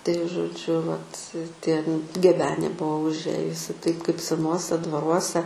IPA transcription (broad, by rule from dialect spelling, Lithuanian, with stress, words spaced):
tɐɪ ʒoːˈd͡ʒʲʊ ʋɐt tʲiɛ n ɡʲɛˈbʲæːnʲeː ˈbʊʋoː ʊʒʲˈeːjʊsʲɪ tɐɪp kɐɪp sʲɛˈnuɔsʲɛ dʋɐˈruɔsʲɛ